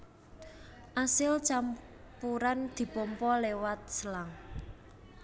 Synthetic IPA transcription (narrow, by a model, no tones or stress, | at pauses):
ʔasɪlt͡ʃam | puɾand̪̥i̤pɔmpɔlewat̪̚səlaŋ